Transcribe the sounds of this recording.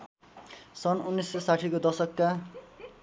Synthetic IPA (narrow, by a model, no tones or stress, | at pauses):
sʌnunːisːesaʈʰikod̪ʌsʌkːa